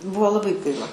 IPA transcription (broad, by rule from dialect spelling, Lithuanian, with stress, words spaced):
ˈbuɔ lˠɐˈbɐɪ ˈɡɐɪlˠɐ